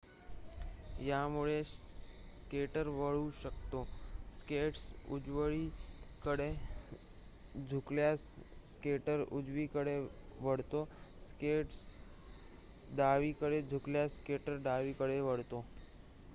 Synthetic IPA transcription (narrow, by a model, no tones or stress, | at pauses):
jamuɭe | skeʈəɾʋəɭuɕəkt̪oskeʈsṵd͡zʋəɭikəɽe | d͡zʱukljasskeʈəɾud͡zʋiːkəɽeʋəɽt̪oskeʈs | d̪aʋikəɽed͡zʱukljaskeʈəɾd̪aʋiːkəɽeʋəɽt̪o